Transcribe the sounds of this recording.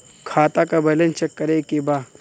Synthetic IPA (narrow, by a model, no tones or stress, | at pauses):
kʰaːt̪akabɐlənt͡ʃɐkːɐɾeːkebaː